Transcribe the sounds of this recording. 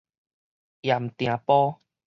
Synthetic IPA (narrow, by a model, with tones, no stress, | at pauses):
ja˨˩m˨t̪j̃ã˨pɔ˦